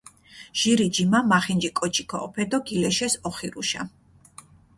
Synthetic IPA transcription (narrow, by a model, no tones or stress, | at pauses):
ʒ̥iɾid͡ʒimamaχind͡ʒikʼɔt͡ʃʰʼi̥kʰɔ̰ʔɔpʰɛd̪ɔɡilɛʃɛsɔχiɾuʃa̰